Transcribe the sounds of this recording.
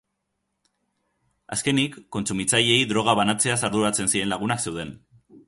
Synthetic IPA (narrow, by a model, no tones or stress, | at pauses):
a̰ske̞nikːo̞nsumit͡saʎe̞jðɾo̞ɣ̞aβanat͡se̞asaɾðuɾat͡se̞nsiɾe̞nlaɣ̞unakse̞wð̞e̞n